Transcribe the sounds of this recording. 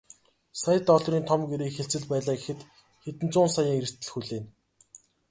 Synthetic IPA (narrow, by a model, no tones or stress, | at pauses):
sajə̆t̪ɔɮriːnt̪ʰɔmɡeɾeːkxeɬt͡sɘ̆ɮpæːɮaːɡexɘ̆t̪ | xet̪ɘ̆nt͡sʊːnsajaːŋeɾɘ̆r̥t̪ɘ̆ɮxuɮeːn